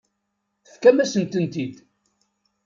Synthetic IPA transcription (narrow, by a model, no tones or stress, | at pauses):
θə̥fkæmæsənt̪ənt̪id̪